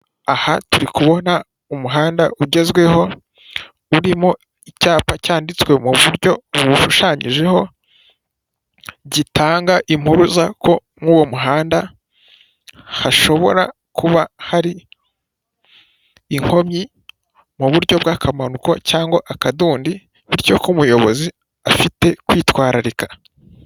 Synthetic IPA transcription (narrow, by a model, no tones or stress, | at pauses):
ahatuɾikuβo̞na | umuɦaːnda̰ʔuɟe̞zɡwe̞ho̞ | uɾimo̞ | icaːpacaːndit͡swe̞muβuɾɟo̞uβuʃuʃaɲḭʒeho̞ | ɟitʰaːŋɡaʔim̥huɾuzakʰo̞mŋuːwomuɦaːnda | haʃo̞βo̞̰ɾa̰ | kuβahaɾi | ŋ̥ho̞mɲi | muβuɾɟo̞b̚ɡakamanuko̞̰caːŋɡoʔakaduːndi | βiɾco̞kumujo̞βo̞zi | afite̞kwiːtwaːɾaɾika